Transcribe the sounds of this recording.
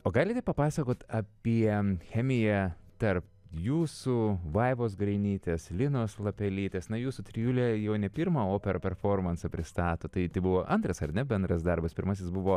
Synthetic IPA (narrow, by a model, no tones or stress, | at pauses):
oːɡɑːlʲɪt̪ʲɛpɐpɑːsɐkoːt̪ɐpʲiɛxʲɛːmʲɪjɛt̪ɐrp | juːsuːʋɐɪʋoːs̬ɡɾɐɪnʲiːt̪ʲeːslʲɪnoːslˠɐpʲɛlʲiːt̪ʲeːsnɐjuːsut̪ʲɾʲɪjuːlʲɛjɛʊnʲɛpʲɪɾmɐoːpʲɛɾɐpʲɛɾfoːɾmɐnsɐpʲɾʲɪst̪ɑːt̪oːt̪ɐɪt̪ɐɪbʊʋoːʔɐnt̪ɾɐsɐɾnʲɛbʲɛnd̪ɾɐsd̪ɐɾbɐspʲɪɾmɐs̬ʲɪsbʊʋoː